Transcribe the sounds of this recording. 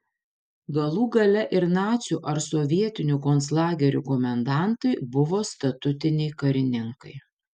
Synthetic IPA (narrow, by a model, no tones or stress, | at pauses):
ɡɐlˠuːɡɐlʲɛʔɪɾnɑːt̪sʲuːʔɐɾsoʋʲiɛt̪ʲɪnʲukoːnslˠɑːɡʲɛɾʲṵkomʲɛnd̪ɑˑnt̪ɐɪbʊʋoːst̪ɐt̪ʊt̪ʲɪnʲɛɪkɐɾʲɪnʲɪŋkɐɪ